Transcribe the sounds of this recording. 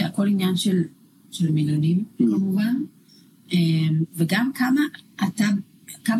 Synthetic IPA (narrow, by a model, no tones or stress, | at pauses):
eako̞linjanʃel | ʃelmilonimkamuvan | emveɡamkamaʔːta | kam